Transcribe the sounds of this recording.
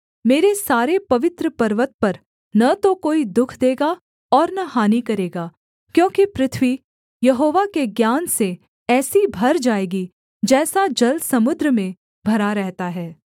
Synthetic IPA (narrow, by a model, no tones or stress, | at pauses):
meːɾesaːɾepɐʋɪt̪ɾəpɐɾʋət̪̚pɐɾ | nɐt̪okoːid̪ʊkʰd̪eːɡa | ɔːɾnahaːnikɐɾeːɡaː | kjõːkipɾɪt̪ʰʋi | jɐɦoːʋakeɡjaːnse | ɛːsibʱɐɾd͡ʒaːeːɡi | d͡ʒɛːsad͡ʒɐlsɐmʊd̪ɾəmẽ | bʱɐɾaɾɛɦt̪aɦɛː